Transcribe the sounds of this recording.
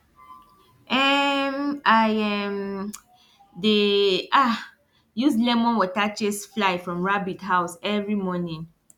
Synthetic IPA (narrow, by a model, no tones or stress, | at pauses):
ʔɛmajɛm | deʔa | juslɛmɔ̃nwɔtat͡ʃesflaɪfɹɔ̃mɹabitɦaʊsɛvɹimɔnĩŋ